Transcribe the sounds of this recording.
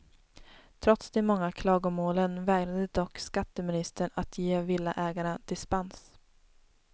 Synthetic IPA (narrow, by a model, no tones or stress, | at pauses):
t̪ʰɾɔt̪sd̪eːmɔŋːakʰlɑːɡʊmoːlənvɛːɡɾad̪əd̪ɔkːskat̪ːəmɪnɪst̪əɳat̪ʰjeːvɪlːaʔɛːɡaɳad̪̥ɪspans